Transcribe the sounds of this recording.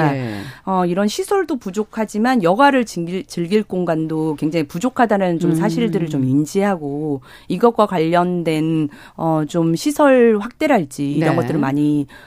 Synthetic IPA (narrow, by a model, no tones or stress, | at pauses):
ʌiɾʌnɕʰisʰʌɭdopud͡ʑokʰad͡ʑimanjʌɡwaɾɯɭt͡ɕt͡ɕɯɭɡiɭk͈oŋɡandokwe̞ŋd͡ʑaŋipud͡ʑokʰadanɯnt͡ɕomsʰaɕʰiɭdɯɾɯɭt͡ɕomind͡ʑiɦaɡo | iɡʌt̚k͈wakwaʎːʌndwe̞n | ʌt͡ɕomɕʰisʰʌɭɸwak̚t͈e̞ɾɦaɭt͡ɕ͈iːɾʌnɡʌtt͈ɯɾɯnmaɲi